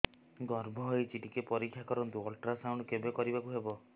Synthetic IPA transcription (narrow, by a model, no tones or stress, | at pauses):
ɡɔɾbʱɔɦɔjt͡ʃiʈikepɔɾikʰːjakɔɾɔnt̪uɔlʈɾasawɳ̃kebekɔɾibakuɦebɔ